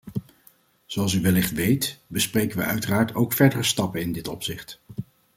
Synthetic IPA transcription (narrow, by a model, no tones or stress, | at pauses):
z̥oɑlˠs̬yʋɛlɪχtʋejtbəsprejkənʋə̰œɥtəraːɹtowkfɛɹdərəstɑpənɪndɪtɔpsɪχt